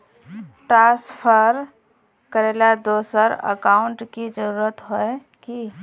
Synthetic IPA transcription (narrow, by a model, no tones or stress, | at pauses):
ʈɾãːspʰəɾ | kəɾeːlad̪oːsəɾə̰kaːʊɳʈkid͡ʒəɾuːɾət̪ɦoe | ki